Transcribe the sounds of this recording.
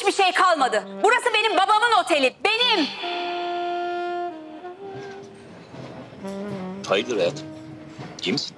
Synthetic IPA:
biʃe̞jkʰalˠmad̪ɯbuɾasɯbe̞nimbabamɯno̞t̪ʰe̞lʲibe̞nim | ajd̪ˠɯɾajat̪ | ɟims

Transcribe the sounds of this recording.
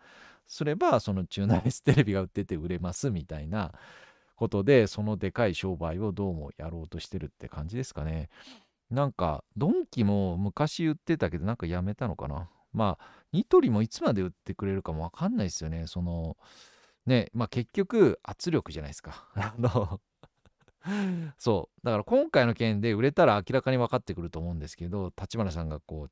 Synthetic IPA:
so̞ɾe̞baso̞no̞t͡ɕɨːnaisɨ̥t̪e̞ɾe̞bʲiɡaɯ̟t̪ːe̞t̪eɯ̟ɾe̞masɨmʲit̪aina | ko̞t̪o̞d̪e̞so̞no̞d̪e̞kaiɕo̞ːbaio̞d̪o̞ːmo̞̰jaɾo̞ːt̪o̞ɕi̥t̪e̞ɾɯ̟t̪ːe̞kãɲ̟d͡ʑid̪e̞sɨ̥kane̞ | nãŋka̰d̪õ̞ŋkʲimo̞mɯ̟kaɕiɯ̟t̪ːe̞t̪ake̞d̪o̞nãŋkajame̞t̪ano̞̰ka̰na̰ | ma | ɲ̟it̪o̞ɾʲimo̞it͡sɨmad̪e̞ɯ̟t̪ːe̞kɯ̟ɾe̞ɾɯ̟kamo̞β̞akãnːaisɨjo̞ne̞so̞no̞ | ne̞make̞kʲːo̞kɯ̟at͡sɨɾʲo̞kɯ̟ʑanaisɨ̥kano | so̞ːd̪akaɾakõ̞ŋkaino̞kẽ̞nd̪e̞ɯ̟ɾe̞t̪aɾaːkʲiɾakaɲ̟iβakat̪ːe̞kɯ̟ɾɯ̟t̪oːmo̞ɯ̟̃nd̪e̞sɨ̥ke̞d̪o̞t̪at͡ɕimaɾas̬ãŋɡako̞ː

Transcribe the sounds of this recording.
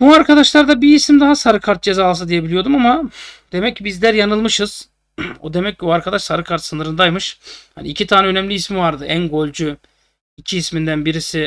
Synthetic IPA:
buaɾkʰad̪aʃlˠaɾd̪abiːsimd̪aɦasaɾɯkʰaɾt̪̚d͡ʒe̞zaːlˠs̬and̪ije̞bilʲijo̞d̪umamad̪̥e̞mɛccːibizlʲæɾjanɯlˠmɯʃɯz̥ | o̰d̪e̞mɛcːiuaɾkʰad̪aʃsaɾɯkʰaɾt̪sɯnɯɾɯnd̪ajmɯʃha̰niicʰit̪ʰaːnɛø̞nɛmlʲiɦismivaɾd̪ɯʔænɡo̞lʲˠd͡ʒu | icʰiismind̪ænbiɾisɪ

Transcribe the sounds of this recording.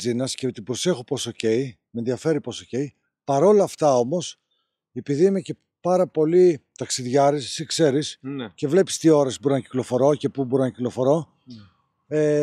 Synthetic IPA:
inɐscet̪ibɾo̞se̞xopo̞soce̞i | menðiɐfe̞ɾipo̞soce̞i | pɐɾo̞lɐːft̪ɐo̞mo̞s | e̞piðiimece̞ | pɐɾɐpo̞lit̪ɐksiðʝɐɾissikse̞ɾisce̞vle̞pi̥st̪io̞ɾɐsibuɾnɐci̥klo̞fo̞ɾo̞ce̞puboɾinɐciklofo̞ɾo̞ | e

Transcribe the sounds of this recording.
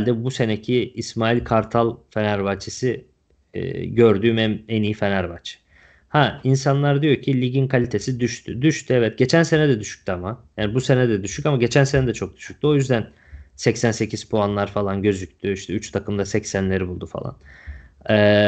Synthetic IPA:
lʲd̪ɛbuse̞necʰiːsmaːilʲkʰaɾt̪ʰalˠfe̞næɾvat͡ʃʰisḭː | ɟø̞ɾd̪yːmɛmɛnijifenæɾbat͡ʃʰ | hainsanlˠaɾd̪ijo̞ɾcʰilʲiɟinkʰalʲit̪ʰe̞sid̪yʃt̪ʰyd̪yʃt̪ʰyɛvɛt̪̚ɟ̥e̞t͡ʃʰænse̞nɛd̪ɛd̪yʃy̥c̚ʲt̪ʰyamajaːnbuse̞nɛd̪ɛd̪yʃycamaɟe̞t͡ʃʰænse̞nɛd̪ɛt͡ʃʰo̞k̚d̪̥y̥ʃy̥c̚t̪ʰyo̞jyzd̪æn | sɛcsænse̞cʰiz̥pʰoanlˠaɾfalˠanɟø̞zyc̚ʲt̪ʰyiʃt̪ʰɛyt͡ʃt̪ʰakʰɯmd̪asɛcsænlʲe̞ɾibulˠd̪ufa̰lˠa̰n | ɛː

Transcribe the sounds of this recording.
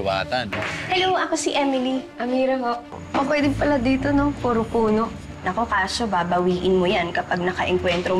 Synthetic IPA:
wa̰ːt̪ɐnhɛloʔɐkosiʔɛmɪliʔɐmiːɾɐɦoʔ | kopwɛːd̪ɪmpɐlad̪iːt̪o̞no̞puːɾopuːno̞ | nɐko̞kaːso̞baːbɐwiːʔɪnmojankɐpɐɡ̚nɐkɐʔɛŋkwɛnt̪ɾo

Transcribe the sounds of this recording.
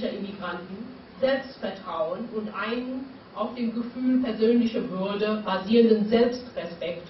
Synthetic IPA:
ɐʔɪmiɡʁantn̩ | zɛlpstfɛɐtʁ̥aʊənʊntʔaɪnən | ʔaʊfd̥eːmɡəfyːlpʰɛɐzøːnlɪçɐvʏɐdəbaziːʁəndənzɛlpstʁɛspɛkt

